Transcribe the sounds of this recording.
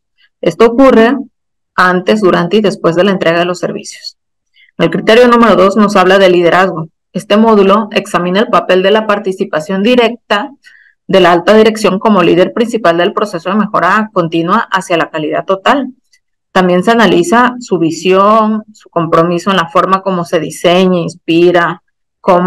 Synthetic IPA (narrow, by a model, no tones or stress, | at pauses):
e̞st̪o̞ːkure̞ | ant̪e̞zðuɾant̪eiðe̞spwe̞zðe̞laent̪ɾeɣaðe̞lo̞sːe̞̰ɾβḭsjo̞̥s | ŋe̞lkɾit̪e̞ɾjo̞nũme̞ɾo̞ðo̞zno̞saβ̞laðelið̞e̞ɾʔazɣo̞ | e̞st̪e̞mo̞ðulo̞e̞ksamĩnaelpape̞ld̪e̞lapaɾt̪isipasjo̞nd̪iɾe̞k̚t̪a | ðe̞laalt̪aðiɾe̞ksjo̞ŋko̞mo̞liðe̞ɾpɾinsipald̪e̞lpɾo̞se̞so̞ðe̞me̞xo̞ɾako̞nt̪inwaʔasjalakaliða̰ðt̪ːot̪al | t̪ambje̞nse̞analisasuβisjo̞nsu̥ko̞mpɾo̞miso̞enlafo̞ɾmako̞mo̞se̞ðise̞ɲainspiɾa | kom